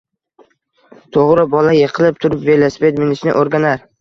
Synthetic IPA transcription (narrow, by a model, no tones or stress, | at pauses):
t̪ʰoʁɾɪbɒlajeqʰɨlˠɪp̚t̪ʰʊɾɪpve̞lespet̪mɪnɪʃnɪ̰ʔoɾɡʲanaɾ